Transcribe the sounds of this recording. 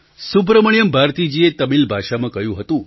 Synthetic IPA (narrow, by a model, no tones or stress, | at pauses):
sup̬ɾəməɳjəmbʱaɾt̪id͡ʑiet̪əmilbʱaʃamãkəjũɦət̪ũ